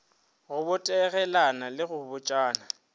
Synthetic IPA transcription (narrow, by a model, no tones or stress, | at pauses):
ɣʊbʊtʼɛɣɛlanalɪɣʊbʊt͡ʃʼaːna